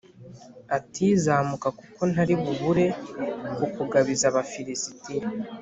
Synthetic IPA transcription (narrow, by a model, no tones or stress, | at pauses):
atʰiːzaːmukakuko̞naɾiβuβuɾe̞ | ukuɡaβizaβafiɾisi̥tiɾ